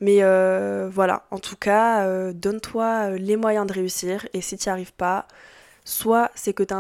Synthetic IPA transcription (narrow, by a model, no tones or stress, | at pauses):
mɛøvwala̰ɑ̰̃t̪ʰukʰaød̪ɔnt̪waølemwajɛ̃d̪əʁeysiːʁesit̪yaʁivpa | swasɛkət̪yɛ̃